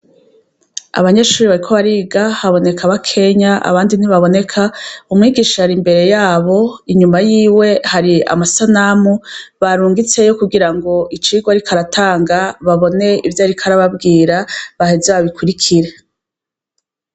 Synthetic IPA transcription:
a̰βaɲe̞ːʃuːɾiβaɾikʰo̞βaɾiɡahaβo̞ne̞kʰaβakʰe̞ɲaa̰βaːndiniβaβo̞ne̞kʰaumŋiːɡiːʃahaɾimbe̞ɾe̞jaːβo̞iɲumajiːwe̞haɾia̰masanamuβaɾuːŋɡit͡se̞jo̞kuɡiɾaŋɡo̞ʔit͡ʃiːɡwaɾikʰaɾatʰaːŋɡaβaβo̞ne̞ivjaːɾikʰaɾaβabɡiːɾaβahezaβaβikuɾikʰiɾe̞

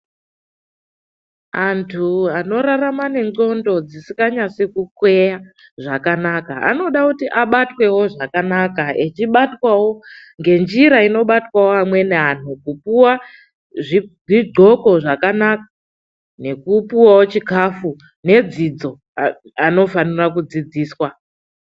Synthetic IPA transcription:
antʰuano̞ɾaramane̞ŋɡo̞ndo̞d͡zisi̥kɡaɲasekukwe̞ja | ʐakanakaa̰no̞ɗakutiʔaɓatwe̞wo̞ʐakanakaet͡ʃiɓatwawo̞ | ŋɡe̞nd͡ʒiɾaino̞ɓatwawoamwe̞neɦanukupuwa | ʐi | iɡʱo̞ko̞ʐakanaka | ne̞kupiwawo̞t͡ʃikafu | ne̞d͡zid͡zo̞ | ano̞fanirak̬ud͡zid͡ziːswa

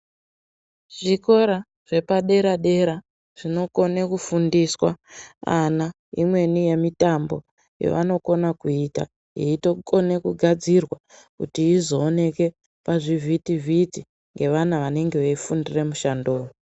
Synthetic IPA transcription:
ʐ̥iko̞ɾa | ʐ̥e̞paɗe̞ɾaɗe̞ɾa | ʐ̥ino̞ko̞nekufundiswa̰ana | imwe̞nije̞mitambo̞̰ | jḛʋa̰no̞ko̞nakuita̰ | jḛito̞kone̞kuɡʱad͡zirwakutiːzo̞ːne̞ke̞ | paʐivʱitivʱiti | ŋɡe̞ʋanaʋane̞ŋɡeʋeifundire̞muʃandoːwu

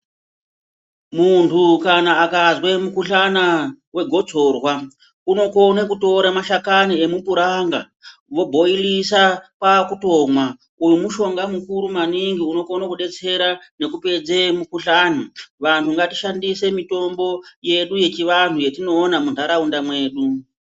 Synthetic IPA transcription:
muntʰukanaːkazwemukuɬanawe̞ɡʱo̞d͡zo̞rwa | uno̞ko̞nakuto̞ɾamaʃakanie̞mupuɾaŋɡa̰ | ʋo̞bʱo̞ilisapakuto̞mwa | ujumuʃo̞ŋɡamukuɾumaniŋɡiuno̞konakuɗe̞t͡se̞ɾane̞kupe̞d͡ze̞mukuɬanaʋantʰuŋɡati̥ʃandise̞mito̞mbo̞je̞ɗuje̞t͡ʃiʋantʰuje̞tino̞ːnamundaɾaundamweːɗu

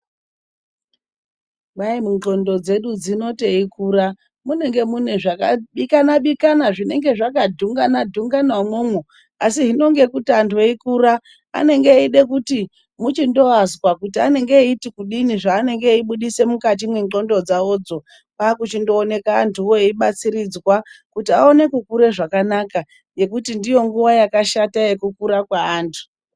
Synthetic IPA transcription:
ɓaimuŋ͡ǃo̞ndo̞d͡ze̞ɗud͡zino̞te̞ikuːra | mune̞ŋɡe̞mune̞ʐakaɓikanaɓikanaʐine̞ŋɡe̞ʐakadʱuŋɡanadʱuŋɡanwamwomwu | asiɦino̞ŋɡe̞kutiantʰueikuɾa | a̰ne̞ŋɡeiɗe̞kuti | mut͡ʃindo̞azwakutiane̞ŋɡeitikuɗiniʐaːne̞ŋɡe̞iɓuɗise̞mukat̬imweo̞ndo̞d͡zaod͡zo̞ | pakut͡ʃindo̞ːne̞kaːntʰuwoeiɓat͡siɾid͡zwakutia̰o̞ne̞kukuɾe̞ʐakanaka | je̞kutindijo̞ŋɡuʋajakaʃataje̞kukuɾakwaːntʰu̥

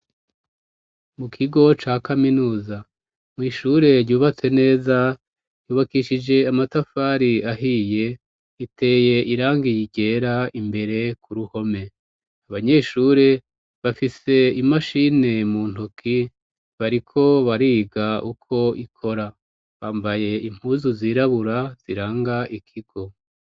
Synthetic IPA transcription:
mukʰiɡo̞t͡ʃaːkaminuːza | mŋiːʃuːɾe̞ɾɟuːβat͡se̞ne̞ːza | juːβakiʃid͡ʒe̞amatafaːɾiaɦiːje̞ | itʰe̞ːje̞ʔiɾaːŋɡijiɟe̞ːɾaimbe̞ɾe̞kʰuɾuho̞me̞ | aβaɲe̞ʃuːɾe̞ | βafise̞imaʃine̞muːn̥tokʰi | βaɾikʰo̞βaɾiːɡaukʰo̞ikʰo̞ɾa | βaːmbaje̞im̥huːzuziːɾaβuɾaz̥iɾaːŋɡaʔikʰiɡ̥o̞

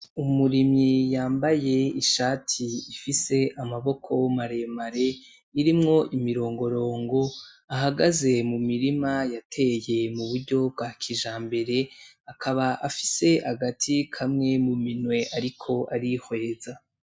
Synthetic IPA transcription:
umuɾimɲijaːmbaje̞iʃaːtʰiːfise̞ʔamaβo̞kʰo̞maɾe̞maɾe̞ | iɾimŋo̞ʔimiɾo̞ːŋɡo̞ɾo̞ːŋɡo̞ | aɦaɡaze̞mumiɾimajatʰe̞je̞muβuɾɟo̞b̚ɡaːkʰiʒaːmbe̞ɾe̞akʰaβaʔafi̥se̞aɡatʰikʰamŋe̞muminwe̞ʔaɾikʰo̞ʔaɾihwe̞ːza

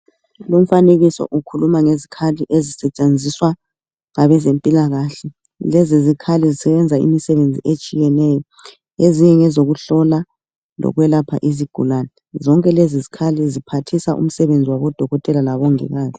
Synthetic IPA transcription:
lom̩faneɣisɔ̰ʔukʰulumaŋezikʰaliʔezisɛt͡ʃʼend͡zʱiswa | ŋaβɛzempʼilaɣaɬɛ | lɛzizikʰalizisɛβɛnd͡zʱaḭmisɛβend͡zʱḭet͡ʃʼijɛnɛjɔ | eziɲɛŋɛzoɣuɬɔla | lɔ̰ɣwɛlapʰa̰ʔiziɡ̥ʱṵlanɛ | zɔŋkʼɛlezizikʰalizipʰatʰisaʔṵm̩sɛβend͡zʱiwaβɔd̥ʱɔɣɔtʼɛlalaβɔŋɛ̰ɣaːzi

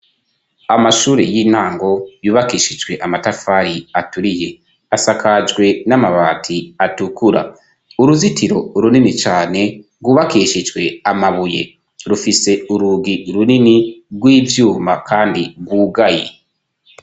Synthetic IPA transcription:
amaʃuːɾḛjiːnhaːŋɡo̞juːβakiːʃid͡ʒɡwe̞ʔamatafaɾiatuɾije̞ | asakad͡ʒɡwe̞namaβaːtʰiatukuɾa̰ | uɾuzitiɾo̞ɾuninit͡ʃaːne̞ | ɡuːβakiːʃid͡ʒwe̞amaβuje̞̰ | ɾufise̞uɾuɡiɾuniniɡwiːvjuːma̰kʰaːndiɡwuːɡajḛ

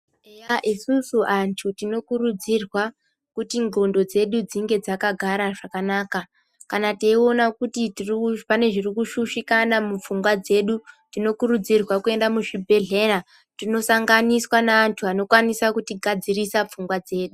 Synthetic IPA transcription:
ejaʔisusuʔantʰutino̞kuɾud͡zirwa | kutiŋɡo̞ndo̞d͡ze̞ɗud͡ziŋɡe̞d͡zakaɡʱaɾaʐakanaːka | kanateio̞nakutitiripane̞ʐirikuʃuʃikanamup͡fuŋɡwad͡ze̞ɗutino̞kuɾud͡zirwakue̞ndamuʐibʱe̞ɮe̞ra | tino̞saŋɡaniswanaːntʰuano̞kwanisakutiɡʱad͡zirisap͡fuŋɡwad͡ze̞ːɗu

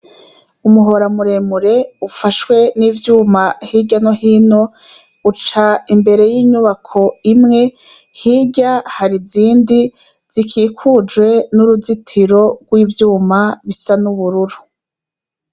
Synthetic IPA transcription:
umuɦo̞ɾamuɾe̞muɾe̞ufaʃwe̞niːvjuːmahiɟanohiːno̞ | ut͡ʃaimbe̞ɾe̞jiːɲuβakʰo̞imŋe̞hiːɟahaɾiziːndi | z̥ikiːkʰud͡ʒwe̞nuɾuzitʰiɾo̞ɡ̥wiːvjuːmaβisanuβuɾuɾu

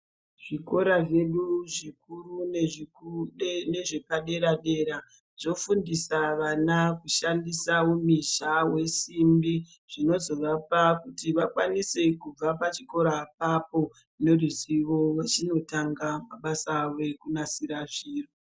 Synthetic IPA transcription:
ʐ̥iko̞ɾaʐe̞ɗuʐik̚uruneʐi | neʐe̞paɗe̞ɾaɗe̞ɾa | ʐo̞fundisaʋanakuʃandisaumiʃawe̞simbi | ʐ̥ino̞zo̞ʋapakutiʋakwanise̞kub͡vapat͡ʃiko̞ɾapapo̞ | ne̞riziʋo̞wet͡ʃino̞taŋɡamaɓasawe̞kunasiɾaʐiːro

